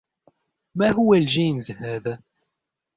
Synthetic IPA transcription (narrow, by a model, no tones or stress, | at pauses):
mæɦuwælʒinzhæð